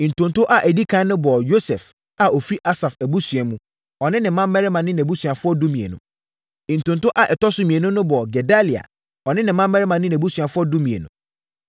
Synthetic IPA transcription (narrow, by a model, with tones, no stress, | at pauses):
ĩ˨n̩˨tʊ̃˨ntʰʊ˦ʔa˦˨ʔæ˨di˦kʰã˦nnʊ̃˦bɔ˨jo˦sɛ˨f | a˨ʔo˨fi˦ʔa˦sa˨fæ˨bu˦sɥɛ˨mũ˦ | ɔ˨nɪ̃˦nɪ̃˨mːã˦mː˦ɛ˦ɾɪ˦mã˨nɪ̃˦n˨æ˨bu˦sɥa˨fʊ˦ɔ˦dʊ˦mĩ˨ḛ˨nʊ̰̃˨ | ĩ˨n̩˨tʊ̃˨n˨tʊ˦ʔa˦ʔɛ˨tɔ˦sʊ˦mĩ˨e˨nʊ̃˦nʊ̃˦bɔ˨ɡɛ˨da˦li˨a̰˨ | ɔ˨nɪ̃˦nɪ̃˨mã˦mː˦ɛ˦ɾɪ˦mã˨nɪ̃˦n˨æ˨bu˦sɥa˨fʊ˦ɔ˦dʊ˦mĩ˨ḛ˨nʊ̃˨